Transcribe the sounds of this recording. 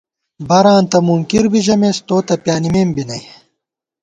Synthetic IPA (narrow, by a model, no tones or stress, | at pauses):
bɐɾãːnt̪ɐmuŋkiɾbiʑɐmest̪oːt̪ɐpjaːnimeːmbinɐj